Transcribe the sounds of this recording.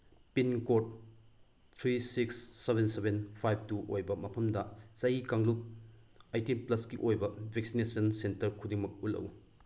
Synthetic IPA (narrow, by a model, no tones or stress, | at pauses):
pinkot̚ | t̪ʰɾisiksːebʱensebenpʰajb̚tuʔojbɐmɐpʰɐmdɐt͡ʃɐjikaŋluk̚ | ajtinplɐskiʔojbɐbʱek̚sinesɐnsentɐɾkʰudiŋmɐk̚ulɐ̰w